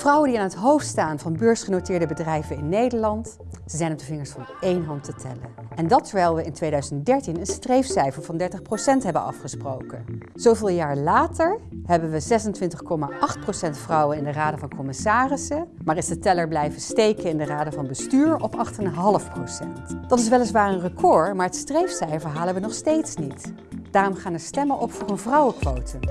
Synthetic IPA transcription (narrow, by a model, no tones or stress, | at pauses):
vrʌwəndiaːnɦətɦowftstaːnvɑnbøːɹsχənotɪːɹdəbədrɛjvəɪnːejdəɹlɑnt | səzɛjnɔp̚dəvɪŋəɹsfɑnejnɦɑntətʰɛlə̰ | ʔɛndɑtːəɹʋɛjlˠʋəɪntʋejdœɥzəntdɛɹtinənstrejfsɛjfəɹv̥ɑndɛɹtəχprowsɛntɦɛbənɑ̰fχəsprowkən | z̥owvɪːlˠjaːɹlaːtəɹɦɛbənʋəzɛsəntʋɪntəχkɔmaʔɑχt̚prowsɛntfrɑwənɪndəraːdəvɑnkɔmɪsaːrɪsə | maːɹɪzdətɛləɹblɛjvəstejkənɪndəraːdəvɑnbəstyːɹɔpɑχtənɦɑləfprowsɛntd̥ɑtɪsʋɛlɪsʋaːɹənrəkʰɔɹmaːɹɦətstrejfsɛjvəɹɦaːlˠəʋənɔχstejtsnit | d̥aːrɔmχaːnəɹstɛmənʔɔpfʊːɹənvrɑwəkʋowtʰə